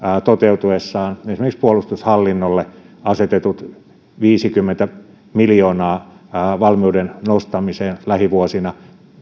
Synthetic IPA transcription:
t̪ot̪eut̪uesːɑːnesimerkikspuolust̪ushɑlːinːolːe | ɑset̪et̪ut̪ | ʋiːsikymːent̪æ | miljoːnɑːʋɑlmiudennost̪ɑmiseːnlæhiʋuosinɑ

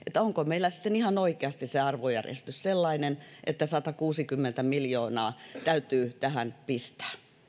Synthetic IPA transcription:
ʔet̪ːˑæoŋkomeilːˑæsi̥t̪ːenihɑnoikeɑst̪isseɑrʋojæ̰rjḛst̪ysselːɑinenʔḛt̪ːæsɑt̪ɑkuːsikymːent̪æmiljoːnɑːt̪æyt̪yːt̪æhænpist̪æ̥ː

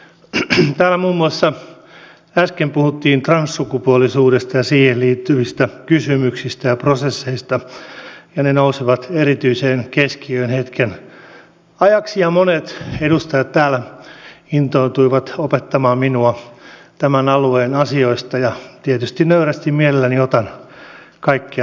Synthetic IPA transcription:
t̪æːlːæmuːmːuɑsːɑ | æskempuhut̪ːiːnt̪rɑnsːukupuolisuːdest̪ɑjɑsiːhelliːt̪ːyʋist̪ækysymyksist̪æjɑprosesːeist̪ɑ | jɑnenousiʋɑt̪eɾit̪yiseːnkeskiøinhet̪ken | ɑjɑksijɑmonet̪edust̪ɑjɑt̪t̪æːlæ | int̪oit̪uiʋɑt̪opet̪ːɑmɑːmminuɑ | t̪æmænɑlueːnɑsioist̪ɑjɑt̪iet̪yst̪innøyræst̪immielelːæniot̪ɑn | kɑikːi

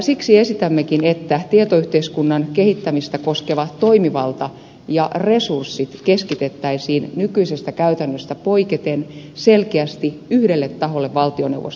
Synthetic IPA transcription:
siksiesit̪æmːekinet̪ːæt̪iet̪oyht̪eiskunːɑnkehit̪ːæmist̪ækoskeʋɑt̪toimiʋɑlt̪ɑ | jɑresursːit̪keskit̪et̪ːæisiːnnykyisest̪ækæyt̪ænːøst̪æpoiket̪en | selkeæst̪iyhdelːet̪ːɑɦolːeʋʋɑlt̪ionḛuwʋo̰st̪

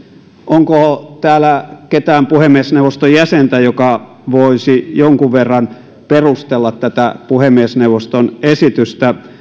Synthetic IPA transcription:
ʔoŋkot̪æːlæket̪æːmpuhemːiesnewʋˑost̪ojæsent̪æjokɑ | ʋoisijoŋkuʋʋerːɑn | perust̪elːɑt̪t̪æt̪æpuhemːieˑsneuʋost̪onesit̪yst̪æ

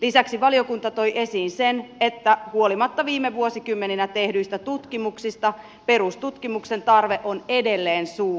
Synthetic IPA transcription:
lisæksiʋɑlio̞kunt̪ɑt̪o̞jʔe̞siːnsenet̪ːæhuo̞limɑt̪ːɑʋiːmːeʋuo̞sikymːe̞ninæt̪e̞hdyjst̪æt̪ut̪kimuksist̪ɑ | pe̞ɾust̪ut̪kimukse̞nt̪ɑrʋe̞ʔone̞de̞lːeːnsuː

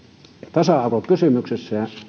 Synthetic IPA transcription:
t̪ɑsɑɑrʋokkysymyksesːæɑ

